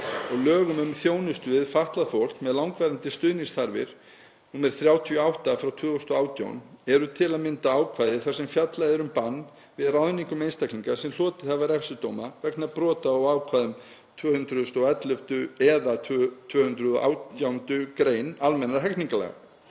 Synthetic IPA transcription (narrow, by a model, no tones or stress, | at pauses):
ɔɣlœːɣʏmʏmθjoːwnʏst̪ʏðɪðfaht̪laðfowl̥k̪mɛðlawŋkvɛɾant̪ɪst̪ʏðniŋsθaɾvɪ̰ɾ̥ | nuːmɛɾ̥θɾjaːwt̪ʰiɔawht̪afɾawt̪ʰvʏːɔst̪ɔaːwt̪ja̰wnɛɾʏt̪ʰɪlaðmɪnt̪aaːwkʰvajðɪ̥θḁsɛmfjat̪laðɪɾʏmpanː | vɪðraðniŋkʏmejnst̪akʰliŋkasɛmlɔːt̪ɪ̥θavaɾɛfsʏt̪owmavɛknapɾɔːt̪aːwaːwkʰvaðʏm | t̪ʰvœːhʏnt̪ɾʏðʏst̪owɛt̪lœft̪ʏɛðatt̪ʰvœːhʏnt̪ɾʏðɔ̰ʔa̰ːwt̪jawnt̪ʏkɾeːjnalmɛnːɾaɾɦɛkniŋkalɛ̰ɣa̰